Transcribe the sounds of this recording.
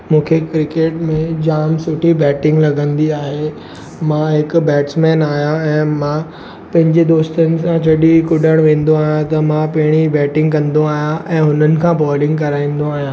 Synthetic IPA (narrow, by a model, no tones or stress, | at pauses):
mũːkʰekɾɪkeːʈmẽd͡ʑaːmsʊʈʰibɛːʈɪ̃ŋɡlɐɡə̃nd̪iaːɦe | mãɦɪkbɛːʈsmɛːnaːɦjãɛ̃ːmã | pɐ̃ɦɪ̃ɲd͡ʑed̪oːst̪ənɪ̆sãd͡ʑɐɗikʊɗəɽ̃ʋẽːn̆d̪oaːɦjãt̪ɐmãpɐɦɪɽ̃ibɛːʈɪ̃ŋɡkɐ̃nd̪oaːɦijãʔɛ̃ːɦʊnənɪ̆kʰãbɔːlɪ̃ŋɡkɐɾaːĩːn̆d̪õaːɦijãː